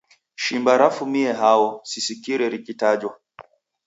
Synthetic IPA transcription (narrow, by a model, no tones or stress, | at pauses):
ʃimbaɾafumiɛɦawɔsisikiɾɛɾikitad͡ʒwa